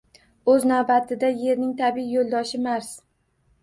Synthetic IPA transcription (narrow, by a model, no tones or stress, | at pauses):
ɵznawbat̪ʰɪd̪aje̞ɾnɪŋt̪ʰabɪjolˠd̪ɒʃɪmaɾs